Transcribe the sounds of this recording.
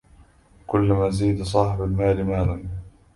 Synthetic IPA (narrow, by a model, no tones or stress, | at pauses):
kʊlːamaːziːd̪sˤɑːħɪbalmaːlɪmaːlan